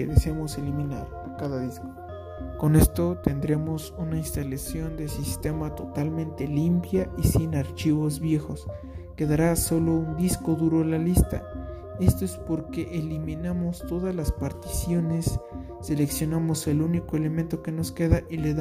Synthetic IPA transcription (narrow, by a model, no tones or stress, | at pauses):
eðeseamo̞se̞limina̰ɾpokaðaðisko | ko̞ne̞st̪o̞t̪e̞nd̪ɾe̞mo̞sunainst̪alasjo̞nd̪e̞sist̪e̞mat̪o̞t̪almẽnt̪e̞limpjaʔisinaɾt͡ʃiβo̞zβje̞xo̞s | ke̞ðaɾaso̞lo̞und̪isko̞ðuɾo̞alalist̪a̰ | e̞st̪o̞espo̞ɾke̞ʔeliminamo̞st̪o̞ðazlaspaɾt̪i̥sjo̞ne̞sː | e̞le̞ksjo̞namo̞se̞luniko̞e̞le̞ment̪o̞ke̞no̞ske̞ðaʔileða